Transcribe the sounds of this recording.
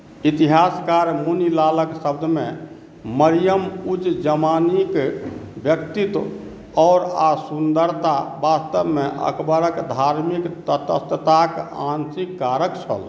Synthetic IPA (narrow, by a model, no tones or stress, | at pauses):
it̪iɦaskaɾmunilaləksəb̚d̪ʱmẽ | məɾijəmud͡ʒd͡ʒəmanikbjək̚t̪it̪ | ɔːɾasund̪əɾt̪abast̪əbmeʔə̰kbəɾəkd̪ʱaɾmikt̪ət̪əst̪ət̪akansikːaɾəkt͡ʃʰə̰l